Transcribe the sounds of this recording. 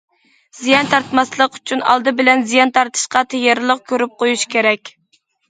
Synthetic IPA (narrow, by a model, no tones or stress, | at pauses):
z̥ijɑnt̪ʰɑɾt̪mɑslˠəqy̥t͡ʃʰynɑ̰lˠd̪ɨbɪlɛnzijɑnt̪ʰɑɾt̪ʰɨ̥ʃqɑt̪ʰejeɾlˠəq̚kʲʰøɾyp̚qʰojuʃkʲeɾɛkʲ